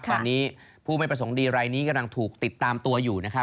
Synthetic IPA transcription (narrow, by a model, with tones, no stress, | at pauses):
ɔː˧nːiː˦˥ | pʰuː˥˩ma˥˩pɾa˧s̬o˩˦ŋdiː˧ɾaː˧jniː˦˥ka˧mla˧ŋt̪ʰuː˨˩k̚t̪i˨˩t̪ːaː˧mt̪u˧ɐjuː˨˩na˦˥kʰ